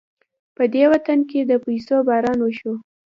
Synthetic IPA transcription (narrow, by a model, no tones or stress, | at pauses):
pəd̪ewat̪anked̪əpajsobɑɾɑnwəʃo